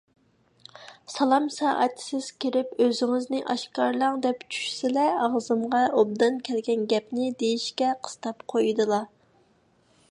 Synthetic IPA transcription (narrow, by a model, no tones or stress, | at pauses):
sɑlˠɑmsɑ̰ʔæ̰t̪ʰsɪz̥kʲiɾɪpøzɪŋɪznɪʔɑʃkɑɾlˠɑŋd̪ɛpt͡ʃʰy̥ʃsɪlɛɑʁzɨmʁɑob̚d̪ɑnkʲʰɛlɡʲɛnɡʲɛpnɪd̪ejiʃkʲɛqʰə̥st̪ɑpqʰojd̪ɨlˠɑ